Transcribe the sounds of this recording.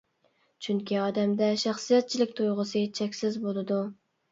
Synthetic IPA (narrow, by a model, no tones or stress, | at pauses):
t͡ʃʰyŋkʲʰiɑd̪ɛmd̪ɛʃæχsijɛt̪̚t͡ʃʰilɪkʲt̪ʰojʁəsɨt͡ʃʰɛkʲsɪzbolˠɨd̪u